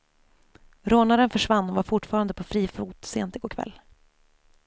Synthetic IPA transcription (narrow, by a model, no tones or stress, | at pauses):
ɾoːnaɾənfœʂvanːɔvaɾfʊʈfɑːɾand̪əpʰɔfɾiːfuːt̪seːnt̪ɪɡokʰvɛ̰lː